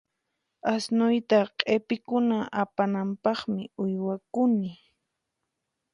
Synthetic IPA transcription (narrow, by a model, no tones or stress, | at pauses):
asnʊjt̪aqʼepɪkʊnaʔapanampɑχmɪʊjwakʊnɪ